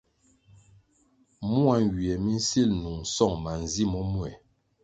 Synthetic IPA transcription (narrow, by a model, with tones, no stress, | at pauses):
mu˦a˦ŋ˨wi˨ɛ˨mi˦n̩˦si˦lnu˨ŋ̩˨sɔ˦˨ŋma˨n˨zi˦mɔ˦mu˦ɛ˨